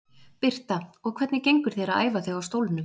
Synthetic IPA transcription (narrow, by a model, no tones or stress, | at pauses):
pɪr̥t̪aɔɣkʰvɛt̪nɪcejŋkʏɾ̥θejɾaða̰ːjvaθewawst̪owlnʏ